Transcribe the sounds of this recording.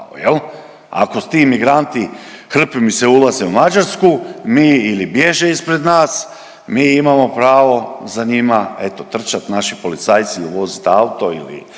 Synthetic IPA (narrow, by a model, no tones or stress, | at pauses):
ojel | a̰kost̪imiɡɾant̪ixr̩pimiseulˠazeumad͡ʒaɾskumiːilibje̞ʒeispɾe̞d̪naːs | miːimamo̞pɾaːʋo̞zaɲimae̞t̪o̞t̪r̩t͡ʃat̪naʃipo̞lit̪sajt̪siuʋo̞zit̪aut̪o̞ḭlḭ